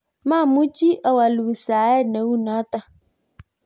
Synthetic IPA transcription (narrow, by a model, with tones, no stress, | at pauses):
ma˦˨mu˦t͡ʃi˦ʔa˨wa˨lu˨i˨saː˨˦ɛ˦nɛ˨˦wu˦na˨˦ta˦